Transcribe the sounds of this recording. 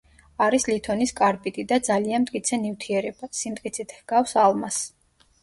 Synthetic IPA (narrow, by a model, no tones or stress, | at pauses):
aɾislit̪ʰɔniskʼaɾpʼit̪ʼid̪ad̪zalianmt̪ʼkʼit̪sʰɛnift̪ʰiɛɾɛbasimt̪ʼkʼit̪sʰit̪ʰhɡ̥afsalmas